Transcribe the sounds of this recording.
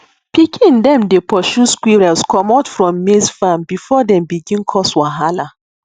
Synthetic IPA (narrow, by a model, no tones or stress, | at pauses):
pikʰĩndɛ̃mdepɔʃuskwiɹɛlskʰɔmatfɹɔ̃mːezfãmbifɔdɛ̃mbiɡĩnkʰɔswaɦala